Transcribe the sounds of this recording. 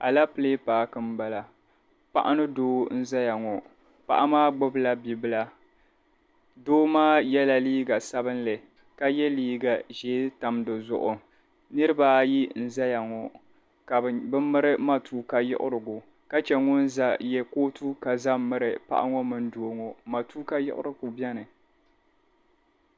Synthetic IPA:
ʔa˨la˦pɨ˨le˦paː˨kɨ˨mba˨la˨ | pa̰˦ʔa˦nɨ˦doː˦n̩˦za˦ja˨ŋɔ˨ | pa̰˨ʔa˦maː˦ɡ͡bʊ˦bla˦bi˨bɨ˦la˦ | doː˦maː˦jɛ˦la˨liː˦ɡa˨sa˦bɨ˦n˦lɨ˨ | ka˦jɛ˦liː˦ɡa˨ʒeː˨˦ta˨mdɨ˨zʊ̰˨ʔʊ˨ | nɨ˦ɾɨ˦ba˨ji˦n̩˨za˦ja˨ŋɔ˨ | ka˨bbɨ˦mɨ˦ɾɨ˦ma˨tuː˦ka˦jɪ̰˦ʔʊ̰˦ɾɨ˨ɡʊ˨ | ka˦t͡ʃɛ˨ŋʊ˦nza˦˨jɛ˦koː˦tu˦ka˨za˦mɨ˦ɾɨ˨pa̰˨ʔa̰˦ŋɔ˦mɨ˦n˦do˨ŋɔ˨ma˨tuː˦ka˦jɪ̰˦ʔʊ̰˦ɾɨ˦ku˨bɛ˦nɨ˨

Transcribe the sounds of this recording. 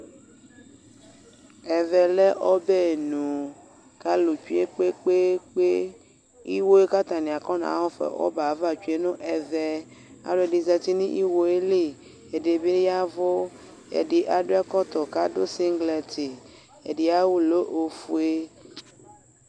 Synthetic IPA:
ɛ˨vɛ˨le˦ʔɔ˦be˦˨nũ˨ | ka˦lu˨t͡ʃu˦e˦k͡pe˦k͡pe˦k͡pe˦ | i˦wo˦e˦ka˦t̪a˨nĩ˨a˨kɔ˦nã̰˨a̰˨˦wɔ˦fḛ˨wɔ̰˦ba˨˦va˦t͡ʃu˨e˦nõ˦ʔɛ˨vɛ˦ | a̰˨ɖo˦e˨di˨zɛ˨t̪i˦nĩ˦ʔi˦wo˦e˦li˦˨ | e˨ɖe˨be˦a˦vo˦ | ḛ˨ɖi˨ʔa˨ɖo˦ɛ˦kɔ˦t̪ɔ˨ka˦do˦si˦ŋɡlɛ˨t̪i˨ | e˨ɖi˨a˦wu˦lo˦ʔo˨fu˦e˦

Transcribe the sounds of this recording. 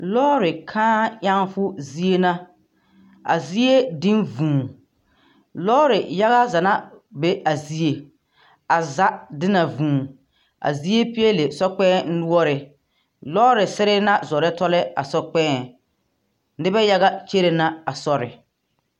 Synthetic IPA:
lɔː˦ɾɪ˨kʰãː˦ja˦ŋfʊ˦zi˦e˦na˦ | a̰˨zi˦e˦dɪ˦nvũː˨ | lɔː˦ɾɪ˨ja˦ɣa˦za˨na˦be˦ʔa˨zi˦e˨ | a˨za˦dɪ˦na˨vũː˨ | a̰˨zi˦e˦pi˦e˦le˨sɔ˦k͡pɛː˦n̩˦nʊ˦ɔ˦ɾɪ˨ | lɔː˦ɾɪ˨sɪ˦ɾɪ˦na˦zɔ˨ɾɛ˦tɔ˦lɛ˦a̰˨sɔ˦k͡pɛː˦˨ | nɪ˦bɛ˦ja˦ɣa˦t͡ʃe˦ɾe˨na˦a˨sɔ˦ɾɪ̰˨

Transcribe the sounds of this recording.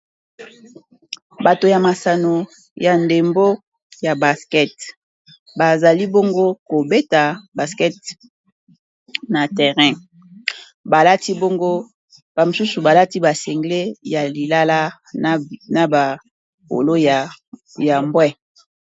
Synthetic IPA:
ba˨to˨ja˨ma˨sa˨no˨ | ja˨nde˨mbo˦ | ja˨ba˨skɛ˦t | ba˨za˨li˦bo˦ŋɡo˦ko˨be˦ta˨ba˨skɛ˦t | na˨tɛ˨ʁɛ̃˦ | ba˨la˦ti˦bo˦ŋɡo˦ | b̥a˨mo˨su˦su˨ba˨la˦ti˦ba˨sɛ˨ŋɡle˦ja˨li˨la˦la˦ | na˨ba˨ | po̰˨lo˦˨ | ja˨mbwɛ˦

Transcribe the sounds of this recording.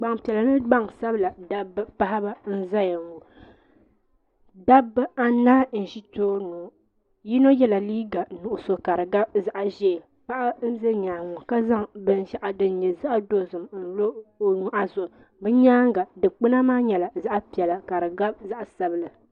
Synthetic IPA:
ɡ͡ba˨ŋpi˨ɛ˨la˨nɨ˦ɡ͡ba˦ŋsa˦bɨ˦la˨da˦bɨ˦pa˦ɦa˦ba˦n̩˦za˦ja˨ŋu˨ | da˦bːɨ˦a˦naː˦n̩˨ʒi˦toː˦nuː˨˦ | ji˦no˦jɛ˦la˨liː˦ɡa˨nu˨ʔʊ˨so˨ka˨ɾɨ˨ɡa˦bza˨ʔa˨ʒɛ˦˨ | pa˦ʔa˦n̩˦ze˦ɲaː˨ŋʊ˨ka˦za˦ŋbɨ˦n˦ʃa˦ʔa˨dɨ˨n˦ɲɛ˨za˦ʔdo˦zɨ˨mn̩˨lo˦o˨nu˨˦ʔa˦zʊ˨ʔʊ˨ | bɨ˦ɲaː˦ŋɡa˨dɨ˨k͡pɨ˦na˦maː˦ɲɛ˨la˨za˦ʔa˦pi˨ɛ˨la˨ka˨ɾɨ˨ɡa˦b̚za˦ʔa˨sa˨bɨ˦la˨

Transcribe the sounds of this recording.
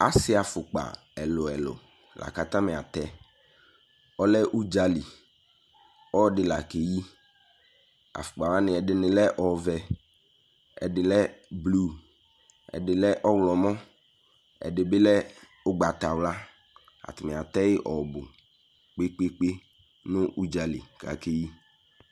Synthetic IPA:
a̰˨sɪ˦a˨fʊ˨k͡pa̰˨ | ɛ˨lʊ˨ɛ˨lʊ̰˨ | lʔa̰˨ka˨t̪a˦mɪ˨a˨t̪ɛ˦ | ɔ˦lɛ˦ʔu˦d͡ʒa˨li˨ | ɔ˦dɪ˨la˨ke˨ji˦ | a̰˨fʊ̥˨k͡pa˨wla˦nɪ̃˨ɛ˨dɪ˨nɪ̃˨lɛ˦ʔɔ˨vɛ˨ | ɛ̰˨dɪ˨lɛ˦blu˦ | ɛ̰˨dɪ˨lɛ˦ʔɔ˦wlɔ˨mɔ̃˦ | ɛ̰˨dɪ˨bɪ˦lɛ˦ | ʊ˦ɡ͡ba˨t̪a˨wla˦ | a̰˨t̪ɪ˨mɪ˨a˨t̪ɛ˦jɪ˦ʔɔ˨bʊ˨ | k͡pe˦k͡pe˦k͡pe˦ | nʊ̃˦ʔu˦d͡ʒa˨lḭ˨ka̰˨ke˦ji˦

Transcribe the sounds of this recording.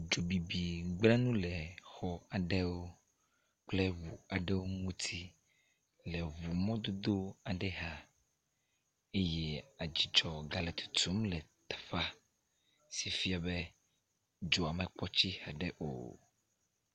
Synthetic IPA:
d͡ʒo˨bi˨bi˨ɡ͡blɛ˦nũ˦lɛ˨xɔ˨a˨ɖɛ˦wo˦ | k͡plɛ˦wu˨a˨ɖɛ˦wo˦ŋũ˦t̪ʰi˦ | lɛ˨βu˨mɔ̃˦d̪o˦d̪o˦a˨ɖɛ˦ɦa˨ | e˦jɛ˦a˨d͡ʑi˨t͡ʃɔ˨ɡa˨lɛ˨t̪ʰu̥˨t̪u˨˦mlɛ˨t̪ḁ˨fa˦ | si˨fi˦a˨bɛ˦ | d͡ʒo˨a˨mɛ˨k͡pɔ˦t͡ɕi˦ha˨ɖɛ˦ʔo̰˨

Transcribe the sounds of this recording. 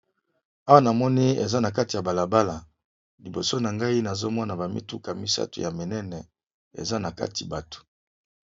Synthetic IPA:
a˦wa˦na˨mɔ˦ni˦ḛ˨za˦na˨k̬a˦ti˨ja˨ba˨la˨ba˦la˨ | li˨bo˨so˦na˨ŋɡa˦i˦na˨zo˦mɔ˦na˨ba˨mḭ˦tu˦ka˨mi˦sa̰˦to̰˨ja˨me˨nɛ˦nɛ˨ | ḛ˨za˦na˨ka̰˦ti˨ba˨to̥˨

